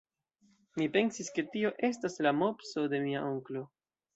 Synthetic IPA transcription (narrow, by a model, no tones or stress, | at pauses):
mipe̞nsiske̞tio̞ʔe̞staslamo̞pso̞de̞miaʔoŋklo̞